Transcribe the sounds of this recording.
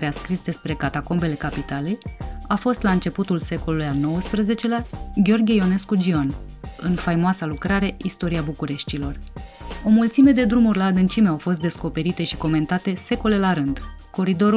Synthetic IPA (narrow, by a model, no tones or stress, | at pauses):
ɾeaskɾisd̪e̞spɾe̞kat̪ako̞mbe̞le̞kapit̪ale̞jafo̞st̪laɨnt͡ʃe̞put̪ulse̞ko̞lulujalno̞wəspɾəze̞t͡ʃe̞leaɡʲo̞rɡʲiejo̞ne̞skud͡ʒio̞n | ɨnfajmoasalukɾaɾe̞ist̪o̞ɾiabukuɾe̞ʃt̪ilo̞ro̞mult̪sime̞d̪e̞d̪ɾumurʲlaːd̪ɨnt͡ʃimeawfo̞s̬t̪̚d̪e̞sko̞pe̞ɾit̪e̞ʃi̥ko̞me̞nt̪at̪e̞se̞ko̞le̞laɾɨnd̪ko̞ɾid̪o̞ɾu